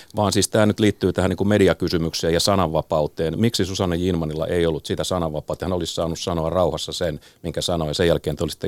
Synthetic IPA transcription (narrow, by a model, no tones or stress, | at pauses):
ʋɑːnsiːst̪æːnyt̪liːt̪ːyːt̪æhæniːŋkummediɑkysymykseːjɑsɑnɑʋːɑpɑut̪eːnmiksisusɑnːejinmɑnilːɑ̰ʔeiolːut̪siːt̪æsɑnɑʋɑpɑːˑut̪ɑhænolissɑːnːussɑnoɑrrɑuhɑsːɑsen | miŋkæsɑnojɑsejjælkeːnt̪eolisi̥t̪ːe